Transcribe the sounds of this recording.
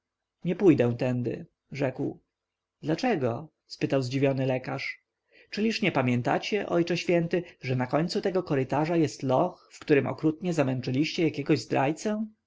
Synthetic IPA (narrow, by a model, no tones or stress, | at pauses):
ɲɛpujd̪ɛ̃w̃t̪ɛnd̪ɘ̰ | ʐɛkw | d̪lat͡ʂɛɡɔ | spɘt̪awzd͡ʑivʲjɔnɘlɛkaʂ | t͡ʂɘlʲiʂɲɛpamʲjɛnt̪a̰t͡ɕɛʔɔjt͡ʂɛɕfʲjɛnt̪ɘʐɛnakɔɲʲt̪sut̪ɛɡɔkɔɾɘt̪aʐajɛst̪lɔxfkt̪uɾɘmʔɔ̰kɾut̪ɲɛzamɛnt͡ʂɘlʲiɕt͡ɕɛjakʲɛɡɔʑzd̪ɾʔa̰jt̪sɛ